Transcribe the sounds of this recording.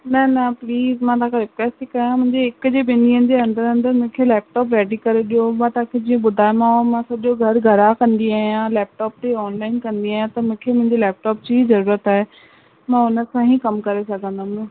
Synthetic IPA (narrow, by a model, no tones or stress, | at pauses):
nɐnɐpliːzmãt̪ãkʰeɾɪkʋɛːsʈikɐjãmʊ̃ɦɪ̃ɲd͡ʑeɪkʊd͡ʑebɪniənɪ̆d͡ʑeɐ̃nd̪əɾɦə̃nd̪əɾmʊ̃ːkʰelɛːp̚ʈɔːp̬ɾɛːɖikɐɾeɗijomãt̪ãːkʰed͡ʑiːə̃ɓʊd̪ʱaːemãomãsɐʄoɡʱɐɾɡʱɐɾakɐ̃nd̪iaːɦijãlɛːp̚ʈɔːp̚t̪eɔːnlaːɪnkɐ̃nd̪iaːijãt̪ɐmũːkʰemʊ̃ɪɲd͡ʑelɛːp̚ʈɔːp̚d͡ʑiizɐɾuːɾət̪aːɦe | mãːʊnəsãɦikɐmkɐɾesɐɡʱə̃nd̪aːmõ